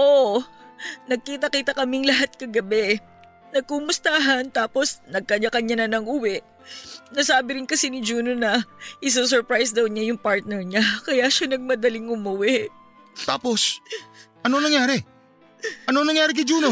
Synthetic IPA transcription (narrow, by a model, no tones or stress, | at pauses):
ʔo | nɐɡ̚kiːt̪ɐkiːt̪ɐkɐmɪŋlɐɦat̪̚kɐɡɐbɛ | nɐɡ̚kumʊst̪aːɦɐnt̪aːpo̞snɐɡ̚kɐɲakɐɲanɐnɐŋʔuwɛʔ | nɐsaːbɪɾɪnkɐsinɪd͡ʒuːnonɐʔɪs̬os̬ɛɹpɹajsd̪ɐwnɲajʊŋpaɹt̪̚nɛɹɲakɐjaʃanɐɡ̚mɐd̪ɐlɪŋʊmʊwɪ | t̪a̰ːpo̞s | ʔɐnonɐŋjaːɾɛ | ʔɐnonɐŋjaːɾɪkɐjd͡ʒuːno